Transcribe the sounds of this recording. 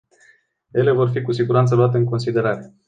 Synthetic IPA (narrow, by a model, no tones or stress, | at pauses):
je̞le̞vo̞rfikusiɡuɾant̪səluat̪e̞ɨŋko̞nsid̪e̞ɾaɾe̞